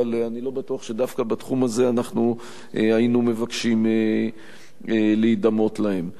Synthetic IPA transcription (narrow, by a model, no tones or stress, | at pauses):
aleanilo̞batuaχʃe̞d̪afkabatχumaze̞anaχnu | ʔeainume̞vakʃime | eleid̪amo̞t̪lahe̞m